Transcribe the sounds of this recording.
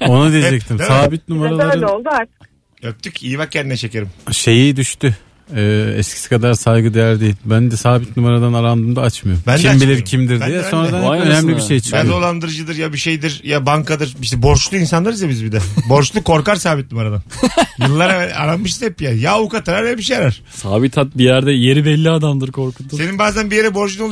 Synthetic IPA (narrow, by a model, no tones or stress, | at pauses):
o̞nud̪ijeɛd͡ʒɛc̚t̪ʰimsaːbit̪̚numaɾalˠaɾɯolˠd̪uaɾt̪ɯk | øp̚t̪ʰyciːβak̚cʰːɛnd̪inɛt͡ʃʰe̞ce̞ɾimʃe̞jid̪yʃt̪y | ɛːɛ̰skcʰi̥si̥kʰad̪aɾsajɡɯd̪ejæɾd̪ejilʲbænd̪ɛsaːbit̪numaɾad̪anaɾand̪ɯːmd̪aat͡ʃmɯjoɾmbændʰʲiɛambilʲiɾcʰimd̪iɾd̪ijɛso̞nɾad̪anønɛmlʲibiʃejt͡ʃʰkjad̪o̞lˠand̪ɯɾɯd͡ʒɯd̪ɯɾjabiʃejd̪iɾjabaŋkʰad̪ɯɾiʃt̪ɛbo̞ɾʃlˠuinsanlˠaɾɯzjabizbid̪ɛbo̞ɾt͡ʃlˠukʰo̞ɾkaɾsaːbit̪̚numaɾad̪anjɯlˠːaɾa̰ɾanmɯʃ̬i̥t̪ɛpijajaːukat̪ʰaɾaɾjabiʃejaɾaɾ̥saːbit̪ʰat̪̚bijæɾd̪ɛje̞ɾibɛlʲːiad̪amd̪ɯɾkʰo̞ɾkut̪ʰːuse̞ninbaːzænbijeɾɛbo̞ɾt͡ʃinolˠ